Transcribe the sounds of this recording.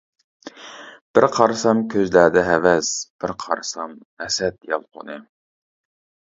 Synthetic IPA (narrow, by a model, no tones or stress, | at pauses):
b̥ɪɾqʰɑɾsɑmkʲʰøzlæd̪ɛɦɛvɛsb̥ɪɾqʰɑɾsɑm | ɛsɛt̪̚jɑlˠqʰo̰nɨ